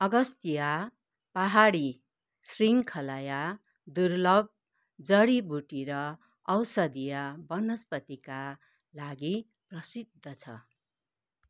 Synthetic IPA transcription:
ʌɡʌst̪ija | paɦaɽi | sriŋkʰʌlaja | d̪urlʌb̚ | d͡zʌɽibʱuʈiɾʌː | wsʌd̪ijabʌnʌspʌt̪ika | laɡi | prʌsid̪ʱːʌt͡sʰʌ̰

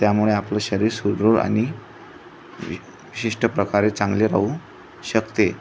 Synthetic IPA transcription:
t̪jamuɭeapləɕəɾiːɾsud̪ɾuɾa̰ñi | ʋiɕiʂʈəpɾəkaɾet͡sãŋɡleɾa̰u | ɕəkt̪e

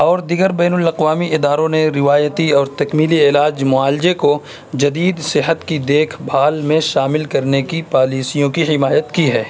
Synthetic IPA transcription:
ɔːɾd̪ɪɡəɾbɛːnʊlɐqʋaːmiɪd̪aːɾõneɾɪʋaːjət̪iɔːɾt̪ɐkmiːliɪːlaːd͡ʒmʊaːlɪd͡ʒeko | d͡ʒɐd̪iːd̪sɪɦət̪kid̪eːkʰbʱaːlmẽʃaːmɪlkɐɾnekipaːliːsijõkiɦɪmaːjət̪kiɦɛː

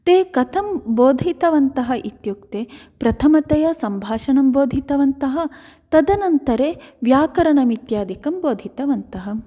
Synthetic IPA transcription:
t̪eːkɐt̪ʰɐmboːd̪ʱit̪ɐʋɐnt̪ɐɦɐʔit̪juk̚t̪epɾɐt̪ʰɐmɐt̪ɐjɐsɐmbʱaːʂɐɳɐmboːd̪ʱit̪ɐʋɐnt̪ɐɦɐ̆ | t̪ɐd̪ɐnɐnt̪ɐɾeːʋjaːkɐɾɐɳɐmit̪jaːd̪ʱikɐmboːd̪ʱit̪ɐʋɐnt̪ɐɦɐ̆

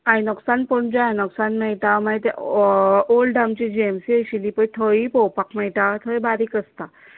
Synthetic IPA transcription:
ajnɔksanpɔɳd͡ʑaajnɔksanmɛɭt̪amaet̪ḛ | olɖamt͡ɕid͡ʑiemsiəɕilipəjt̪ʰəipɔwpakmɛɭt̪at̪ʰəibaɾikəst̪a

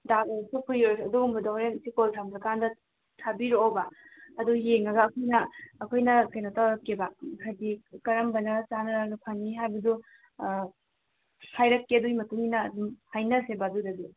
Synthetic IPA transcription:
daɡasupʰuɾoɾsɐduɡumbɐdaɾensikoltʰamɾɐkandɐ | tʰabiɾoowbɐɐdujeŋɐɡɐːkʰojnɐːkʰojnɐkɐjnɐtawɾɐkːebahajdikɐɾɐmbɐnɐt͡ʃanɐɾanupʰanːiɦajbɐdu | hʰajɾɐkːedujmɐtuŋinɐdumhajnɐsebadudɐdi

